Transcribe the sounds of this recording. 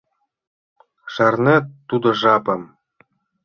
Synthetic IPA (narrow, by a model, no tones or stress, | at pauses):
ʃɑrnʲet̪ud̪ɤ̆ʐɑpɤ̆m